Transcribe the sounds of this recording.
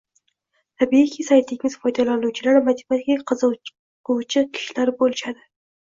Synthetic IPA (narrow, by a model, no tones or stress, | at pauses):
t̪ʰabiikʲʰisajt̪lɪmʲɪz̥fɒjd̪alanuwt͡ʃʰɪlaɾmat̪ʰɪ̥mat̪kʲaqʰzɨ | qʊwt͡ʃʰɪkʲʰɪ̥ʃlaɾbolɪʃad̪ɪ